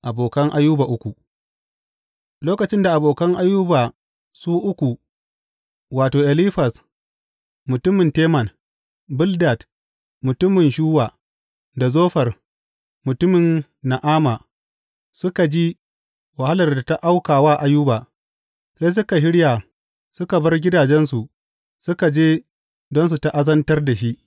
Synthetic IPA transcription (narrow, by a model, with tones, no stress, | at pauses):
ʔa˨boː˨kɐ˦ŋʔa˦jːu˦baː˨ʔʊ˦kʷu˨ʔ | loː˦kɐ˨t͡ʃɪ˦nda˨ʔa˨boː˨kɐ˦ŋʔa˦jːuː˦baː˨ | suː˦ʔʊ˦kʷu˨ | waː˨toː˨ʔɛ˨liː˦ɸɐ˨s | mʊ˨tʊ˦mɪ˨nteː˦mɐ˨n | bʊ˦lda˨t | mʊ˨tʊ˦mɪ˨nʃuː˦waː˨ | da˨zoː˦ɸɐ˨r | mʊ˨tʊ˦mɪ˨nː | a˨ʔaː˦ma˨ | sʊ˦ka˨d͡ʒi˦ | wa˨ha˦lɐ˨rda˨ta˦ʔa˦wkaː˨waː˦ʔa˦ju˦baː˨ | se˦js̬ʊ˦ka˨ʃɪ˦ɽja˨ | sʊ˦ka˨bɐ˦rɡʲɪ˦daː˨d͡ʒɛ˦nsu˨ʔ | sʊ˦ka˨d͡ʒeː˦ | dɔ˦ns̬u˨ta˦ʔa˦zɐ˦ntɐ˦rda˨ʃi˦ʔ